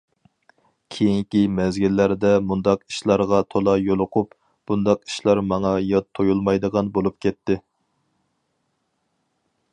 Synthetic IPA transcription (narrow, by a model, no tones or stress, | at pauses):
kʲʰejiŋkʲimɛzɡʲilːæɾd̪ɛmund̪ɑqi̥ʃlˠɑɾʁɑt̪ʰolˠɑjolˠʊqʰup | b̥und̪ɑqi̥ʃlˠɑɾmɑŋɑjɑt̪ʰːojulˠmɑjd̪əʁɑnbolˠup̚kʲʰɛt̪ʰːɪ